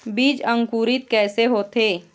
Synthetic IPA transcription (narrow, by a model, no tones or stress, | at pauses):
biːd͡ʒə̃ŋkuːɾɪt̪̚kɛːseɦoːt̪ʰeː